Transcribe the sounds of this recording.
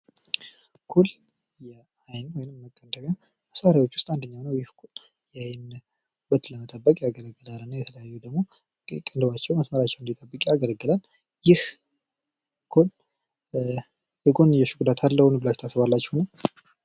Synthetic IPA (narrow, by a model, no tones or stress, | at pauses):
kʰul | jɛ | ajnwɔjɪnmːəkʼːənd̪əma | məsaɾawo̞t͡ʃːwʊ̥st̪ʼand̪əɲːanəwjɪhkʰul | jajn | bət̪ləmət̪ʼəbːəkʼjaɡələɡːɨlalɨnːajɛt̪ʰələjajːud̪əɡmo | kʼənd̪ɨβat͡ʃːɛwməsməɾat͡ʃːɛwɨnd̪it̪ʼəbːɨkʼjaɡələɡːɨlal | jɪh | kʰol | hɨɡo̞njɛʃɪɡud̪at̪ʰalːəhʊnbɨlaʃt̪ʰasɨβalːat͡ʃːɛhnəw